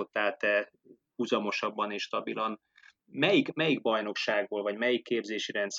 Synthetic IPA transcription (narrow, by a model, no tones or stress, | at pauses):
o̞t̪ːaːlt̪ɛ | uzɒmo̞ʃɒbːɒneːʃt̪ɒbilɒn | mɛjikmɛjiɡ̚bɒjno̞kʃaːɡboːlvɒɟmɛjikːeːbzeːʃiɾɛnt̪s